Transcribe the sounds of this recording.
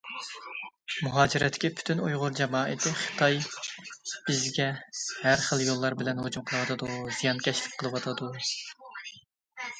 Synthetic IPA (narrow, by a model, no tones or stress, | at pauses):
muɦɑːd͡ʒiɾɛt̪ʰːkʲɛpʰy̥t̪ʰynujʁʊɾd͡ʒɛmɑːʔɪt̪ʰɪχə̥t̪ʰɑj | b̥ɪzɡʲɛhæɾχəlˠjolˠːɑɾbɪlɛnɦod͡ʒumqʰəlˠɨwɑt̪ʰɨd̪uzijɑnkʲʰɛʃlɪkʲqʰəlˠɨwɑt̪ʰɑd̪u